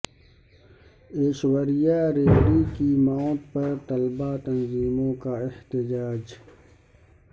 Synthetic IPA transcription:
eːʃwəɾijaːɾeːkɾikimaːt̪̚pɐɾt̪ɐlbat̪ɐnziːmõːkaɪht̪ɪd͡ʒaːd͡ʒ

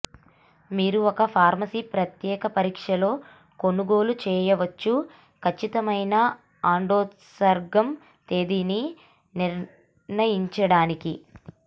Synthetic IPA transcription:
miːɾuɔkɐpʰaːɾmɐsiːpɾɐt̪jɛːkɐpɐɾiːkʂɐlo̞ː | ko̞nuɡo̞ːlut͡ʃɛːjɐʋɐt͡ʃːu | kʰɐt͡ʃːit̪ɐmɐjnɐ | aːɳɖoːt̪ | sɐɾɡɐm | t̪e̞ːd̪ini | niɾ | nɐjiɲt͡ʃɐɽaːniki

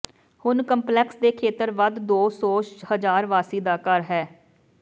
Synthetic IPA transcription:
hʊnkəmplɛːksd̪eːkʰeːt̪əɾʋad̪d̪oːsɔːhəd͡ʒaːɾʋaːsiːd̪aːkəɾɦɛː

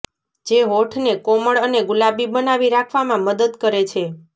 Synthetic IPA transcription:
d͡ʒeɦoʈʰnekoməɭəneɡulabibənaʋiɾakʰʋamãməd̪əd̪kəɾet͡ʃʰe

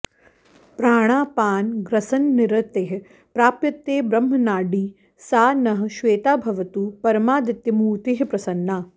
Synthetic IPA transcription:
pɾaːɽ̃aːpaːnɡɾɐsɐnːɪɾɐt̪eɦɐ | pɾaːpjɐt̪ːeːbɾɐmːɐnaːɖiː | saːnɐɦɐ̆ʃʋeːt̪aːbʱɐʋɐt̪uːpɐɾɐmaːd̪it̪ːjɐmuːt̪iɦɐpɾɐsɐnːaː

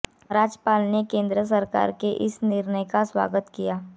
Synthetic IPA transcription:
ɾaːd͡ʒəpaːlnekẽːnd̪ɾəs̬əɾka̰ːɾkeʔɪsnɪɾnəjkaswa̰ːɡət̪kijaː

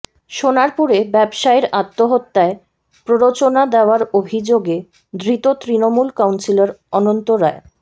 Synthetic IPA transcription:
ʃonaɾpuɾebɛbʃaeɾat̪ːoɦot̪ːae | pɾoɾot͡ɕonad̪eoaɾobʱid͡ʑoɡe | d̪ɾit̪ot̪ɾinomulkawnsilaɾɔnont̪oɾae

